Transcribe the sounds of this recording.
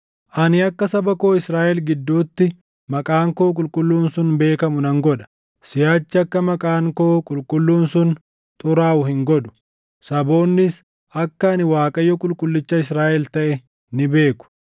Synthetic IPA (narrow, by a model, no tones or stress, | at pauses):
ʔɐnɪɐkːɐsɐbɐko̞ːɪsɾaːʔɛlɡɪd̪ːuːt̪ːɪ | mɐkʼaːŋkoːkʼʊlkʼʊlːuːnsʊnbe̞ːkɐmʊnɐŋɡɔᶑɐ̥ | sɪjaːt͡ʃːɪɐkːɐmɐkʼaːŋkoːkʼʊlkʼʊlːuːnsʊn | t̪ʼʊɾaːʊhɪŋɡɔᶑ̪ʊ̥ | sɐbo̞ːnːɪs | ɐkːɐɐnɪwaːkʼɐjːɔkʼʊlkʼʊlːɪt͡ʃːɐɪsɾaːʔɛlt̪ɐʔɛ | nɪbe̞ːkʊ̥